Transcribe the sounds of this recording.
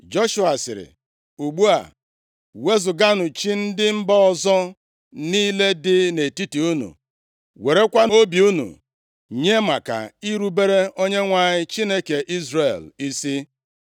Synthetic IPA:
d͡ʒo˦ʃu˨a˨sɪ̰˨ɾɪ̰˨ | u˨ɡ͡bu˦a̰˨ | we˦zʊ˨ɡa˦nʊ˨t͡ʃi˦n̩˦dɪ˦m̩˦bɔ˦ɔ˦˨zɔ˦ | niː˦le˦dɪ˦ne˨ti˦ti˨u˦nṵ˨ | we˨ɾe˦kʷa˦o˦bi˨u˦nṵ˨ | ɲe˦ma˨ka̰˨i˦ɾu˦be˦ɾe˦o˦ɲe˦ŋʷa˨ɲɪ˦t͡ʃi˦ne˦ke˨ʔi˦zɾe˨li˦si˦

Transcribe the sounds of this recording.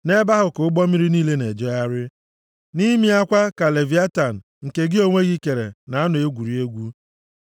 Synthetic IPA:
ne˦ba˦ɦʊ˨kʊ˨ʊ˦ɡ͡bɔ˦mi˦ɾi˦niː˦le˦ne˨d͡ʒɔ˦ja˦ɾɪ˦ | ni˦mi˦a˦kʷa˦ka˨le˨vi˨˦a˦ta˨n̩˨ | ŋ̩˨ke˨ɡɪ˦o˦ŋʷe˦ɣi˦ke˨ɾḛ˨na˨a˦nʊ˨e˦ɡʷu˨ɾi˨e˦ɡʷu˦

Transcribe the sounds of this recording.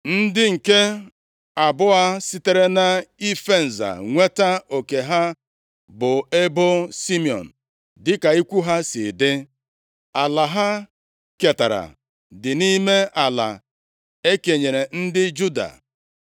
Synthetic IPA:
n̩˦dɪ˦ŋ̩˨ke˦ | a˨bʊ˦a˦sɪ˦te˦ɾe˦na˦i˦fe˦˨n̩˨za̰˨ŋʷe˦ta˦o˨ke˨ɦa˦ | bʊ˨e˦bʊ˦si˦mi˨ɔ̰˨n̩˨ | dɪ˦ka˨i˦kʷu˦ɦa˦si˨dɪ˦ | a˨la˨ɦa˦ | ke˨ta˨ɾa̰˨ | dɪ˨ni˦me˦a˨la̰˨ | e˦ke˨ɲe˨ɾe˨n̩˦dɪ˦d͡ʒu˦da̰˨

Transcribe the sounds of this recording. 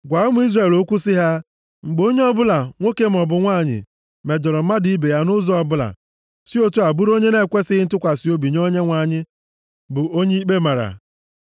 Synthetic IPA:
ɡʷa˨˦ʊ˦mʊ˦i˦zre˨lo˦kʷu˦sɪ˦ɦa˦ | ŋ͡m̩˨ɡ͡bo˦ɲe˦ɔ˦bʊ˦la˨ŋʷo˦ke˦m̩˨ɔ˨bʊ˨ŋʷa˦˨ɲɪ̰˨ | me˨d͡ʒɔ˨ɾɔ˨m̩˦ma˦di˦be˨ja˦nʊ˦zɔ˦ɔ˨bʊ˦la̰˨ | si˦o˦tu˦a˨bu˦ɾo˦ɲe˦ne˦˨kʷe˦sɪ˦ɪ˦n̩˦tʊ˦kʷa˨si˨˦o˦bi˨ɲ˦o˦ɲe˦ŋʷa˨ɲɪ˦ | bʊ˨o˦ɲe˦i˦k͡pe˦ma˨ɾa̰˨

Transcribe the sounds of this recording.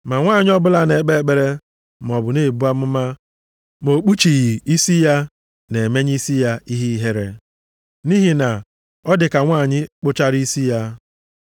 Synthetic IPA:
ma˨ŋʷaː˦˨ɲɪ˦ɔ˦bʊ˦la˦ne˨e˨˦k͡pe˦k͡pe˨ɾe˦ | m˨ɔ˨bʊ˨ne˦˨bu˦a˦m̩˦ma˦ | mo˨k͡pu˦t͡ʃi˨ɣi˨i˦si˦ja˦ | ne˨e˨me˦ɲ˦i˦si˦ja˦i˦ɦi˦ɦe˦ɾe˦ | ni˦ɦi˨na˨ | ɔ˦dɪ˨ka˨ŋʷaː˦˨ɲɪ˦k͡pʊ˦t͡ʃa˦ɾi˦si˦ja˦

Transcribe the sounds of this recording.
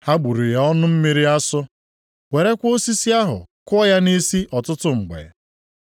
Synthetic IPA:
ha˦ɡ͡bu˨ɾi˨ja˨ɔ˦nʊ˦m̩˦mi˦ɾi˦a˦sʊ˦ | we˨ɾe˦kʷo˦si˦si˦a˦ɦʊ̰˨kɔ˦ja˦ni˦si˦ʔɔ˨tʊ˦tʊ˦ŋ͡m̩˨ɡ͡bḛ˨

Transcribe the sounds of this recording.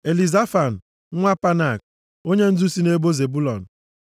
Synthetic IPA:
e˨li˨za˦fa˨n̩˨˦ | ŋʷa˦pa˦na˨k̚ | o˦ɲe˦n̩˦zu˦si˦ne˦bo˦ze˨bu˦lɔ˨n̩˨

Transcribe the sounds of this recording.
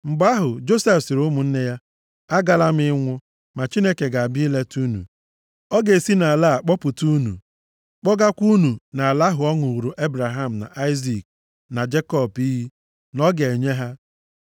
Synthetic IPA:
ŋ͡m̩˨ɡ͡ba˦ɦʊ˨d͡ʒo˦se˦fsɪ˨ɾʊ˦mʊ˨n̩˦ne˦ja˦ | a˦ɡa˦la˦m̩˦ɪ˦ŋʷʊ˦ | ma˨t͡ʃi˦ne˦ke˨ɡa˨a˨bi˦le˦tu˦nṵ˨ | ɔ˦ɡe˨si˦na˨a˨la˦˨a˨k͡pɔ˦pʊ˨tu˦nṵ˨ | k͡pɔ˦ɡa˦kʷu˦nu˨na˨a˨la˦ɦʊ˨ɔ˦ŋʊ˨wu˨ɾu˨ʔe˦bɾa˨ɦa˦m̩˨na̰˨ʔa˦ɪ˦zi˨k̚ | na˨d͡ʒe˦kɔ˦˨bi˦ɦi˦ | nɔ˦ɡe˨ɲe˦ɦa˦

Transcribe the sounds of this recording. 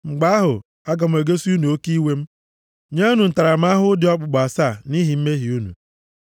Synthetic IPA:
ŋ͡m̩˨ɡ͡ba˦a˦ɦʊ̰˨ | a˦ɡa˨m̩˨e˨ɡe˦si˦u˦nu˨o˦ki˦we˦m̩˦ | ɲe˦o˦nu˨n̩˨ta˨ɾa˨m̩˦a˦ɦʊ˦dɪ˨˦ɔ˦k͡pʊ˨ɡ͡ba˨sa˦˨ni˦ɦi˨m̩˦me˦ɦi˨u˦nṵ˨

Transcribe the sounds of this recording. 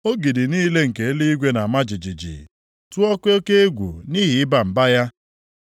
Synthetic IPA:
o˦ɡi˨di˨niː˦le˦ŋ̩˨ke˨e˦li˦i˦ɡʷe˦na˨a˨ma˦d͡ʒi˨d͡ʒi˨d͡ʒḭ˨ | tu˦ɔ˦ke˦ke˦e˦ɡʷṵ˨ni˦ɦi˨ɪ˦ba˨m̩˨ba˦ja˦

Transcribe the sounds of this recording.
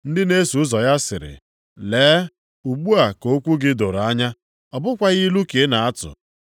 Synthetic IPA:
n̩˦dɪ˦ne˦su˨˦zɔ˨ja˦sɪ̰˨ɾɪ̰˨ | leː˨˦ | u˨ɡ͡bu˦a˨ko˦kʷu˦ɡɪ˦do˨ɾa˦ɲa˦ | ɔ˨bʊ˦kʷa˦ɣɪ˦lu˦ke˨˦na˨a˦tʊ̰˨

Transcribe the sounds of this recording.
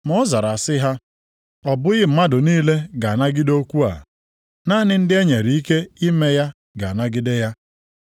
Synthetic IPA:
mɔ˦za˨ɾa˨sɪ˦ɦa˦ | ɔ˨bʊ˦ɣɪ˦m̩˦ma˦dʊ˨niː˦le˦ɡa˨na˦ɡɪ˦do˦kʷu˦a̰˨ | na˦nɪ˦n̩˦dɪ˦e˦ɲe˨ɾi˨i˦ke˦i˦me˦ja˦ | ɡa̰˨na˦ɡɪ˦de˦ja˦

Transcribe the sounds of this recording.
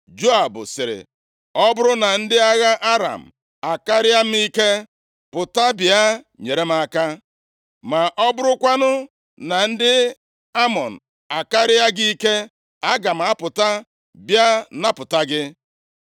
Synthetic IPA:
d͡ʒo˦a˨bʊ̰˨sɪ˨ɾɪ̰˨ | ɔ˦bʊ˦ɾʊ˦na˨n̩˦dɪ˦a˦ɣa˦ʔa˦ɾa̰˨m̩˨ | a˨ka˦ɾɪ˦a˦m̩˦mi˦ke˦ | pʊ˨ta˦bɪ˨a˦ | ɲe˨ɾe˦m˦a˦ka˦ | ma˨ʔɔ˦bʊ˦ɾʊ˦kʷa˦nʊ˦ | na˨n̩˦dɪ˦ | a˦mɔ˨n̩˨ | a˨ka˦ɾɪ˦a˦ɡi˦i˦ke˦ | a˦ɡa˨m̩˨a˦pʊ˨ta˦ | bja˦na˦pʊ˨ta˦ɡɪ˦

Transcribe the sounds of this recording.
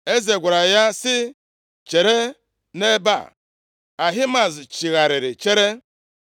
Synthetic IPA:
e˦ze˨ɡʷa˨ɾa˨ja˦sɪ˦ | t͡ʃe˨ɾe˦ | ne˦ba̰˦˨ | a˨ɦɪ˦ma˨zt͡ʃi˨ɣa˨ɾɪ˨ɾɪ˨t͡ʃe˦ɾe˦

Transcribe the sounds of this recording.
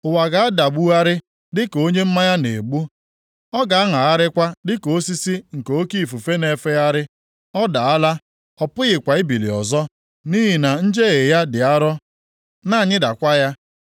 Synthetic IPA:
ʊ˨wa˨ɡa˨a˦da˨ɡ͡bu˦a˦ɾɪ˦ | dɪ˦ko˦ɲe˦m̩˦ma˦ja˦ne˨ɡ͡bu˦ | ɔ˦ɡa˨a˦ŋa˨a˦ɾɪ˦kʷa˦dɪ˦ko˦si˦si˦ŋ̩˨ko˦ki˦˨fu˨fe˦ne˨fe˦ja˦ɾɪ˦ | ɔ˦da˨a˦la˦ | ɔ˦pʊ˦ɣɪ˨kʷa˨i˦bi˨lḭ˨ɔ̰˨zɔ˦ | ni˦ɦi˨na˨n̩˦d͡ʒe˦ɣe˨ja˦dɪ˨a˦ɾɔ˦ | na˦a˨ɲɪ˦da˨kʷa˦ja˦

